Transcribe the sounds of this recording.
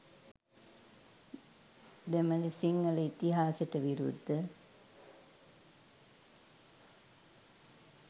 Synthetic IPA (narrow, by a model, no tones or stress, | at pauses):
d̪eməlisiŋɡələit̪iɦaːseʈəʋiɾṵd̪ʱːə